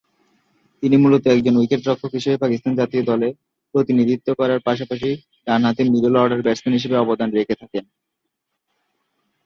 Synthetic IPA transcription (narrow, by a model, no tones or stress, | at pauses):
t̪inimulot̪oɛk̚d͡ʑonwikeʈ̚ɾɔkʰːokɦiʃebepakist̪and͡ʑat̪iod̪ɔle | pɾot̪inid̪ʱit̪ːokɔɾaɾpaʃapaʃ̬i | ɾanɦat̪̬imiɾolɔɾɖaɾbɛɾsenɦiʃ̬ebeɔbod̪anɾekʰet̪ʰaken